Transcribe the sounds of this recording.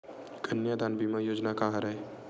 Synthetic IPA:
kɐnjad̪aːnbʱimãjoːd͡ʒnakaɦaɾɐɦe

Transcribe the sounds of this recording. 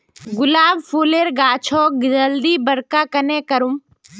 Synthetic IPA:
ɡʊlaːbfʰuːleːɾɡaːt͡ʃʰokd͡ʒɐld̪ibɐɽkakɐnekɐɾum

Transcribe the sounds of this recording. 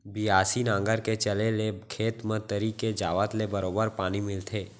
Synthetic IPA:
bɪaːsinãːŋɡəɾket͡ʃəlelekʰeːt̪mə̃t̪əɾiked͡ʒaːʋət̪lebəɾoːbəɾpaːnimɪlt̪ʰeː

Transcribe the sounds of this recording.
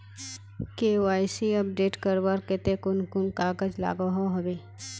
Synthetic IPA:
keoaːjsiɐp̚ɖeːʈkəɾbaɾket̪ekʊnkʊnkaːɡəd͡ʒla̰ːɡoɦoɦɐbeː

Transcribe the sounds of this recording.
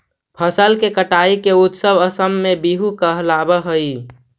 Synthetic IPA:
pʰəsəlkekəʈaikeut̪səbəsəmːebiɦukəɦlabəɦəi

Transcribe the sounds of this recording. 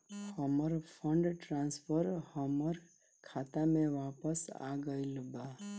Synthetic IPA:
həməɾpʰəɳɖʈɾãnspʰəɾhəməɾ | kʰat̪amẽʋapəsa̰ɡəjlba

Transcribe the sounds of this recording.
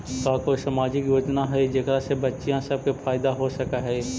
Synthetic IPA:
kaːkoisəmaːd͡ʒɪkjoːd͡ʒnaɦɛd͡ʒekɾasebɐtːʃijãsɐb̚kepʰaːɪd̪aɦosɐkaɦɛː

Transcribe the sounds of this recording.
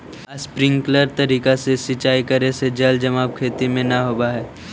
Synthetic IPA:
spɾɪ̃ŋɡkləɾt̪ɐɾiːkasesɪt͡ʃaːikɐɾẽsed͡ʒɐld͡ʒɐmaːb̚kʰeːt̪imẽnɐɦoːbaɦɛː

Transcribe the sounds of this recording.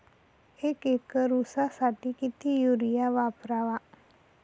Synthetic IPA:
ekekəɾusasaʈikit̪ʰijuɾijaʋapɾaʋa

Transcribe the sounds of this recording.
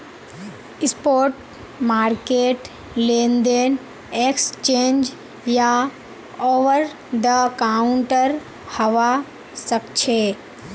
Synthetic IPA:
ɪspoːɾʈ | maːɾkeːʈ | leːnd̪en | ekst͡ʃẽːnd͡ʒ | ja | oːʋəɾ | d̪əkauɳʈəɾ | hɐʋa | səkt͡ʃʰe

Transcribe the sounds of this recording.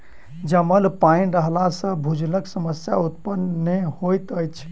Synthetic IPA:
d͡ʒəməlpaĩɾəɦlasə̃bʱud͡ʒləksəməsjaut̪pənːehojt̪əjt͡ʃʰ

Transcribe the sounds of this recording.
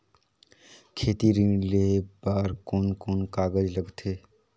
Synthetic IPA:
kʰeːt̪iɾĩlebaːɾkoːnkoːnkaːɡəd͡ʒləɡt̪ʰeː

